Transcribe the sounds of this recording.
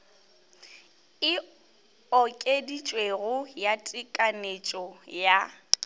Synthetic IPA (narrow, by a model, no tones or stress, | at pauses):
ɪ | ɔkʼedit͡ʃʼweɣʊjatʼɪkʼanet͡ʃʼɔja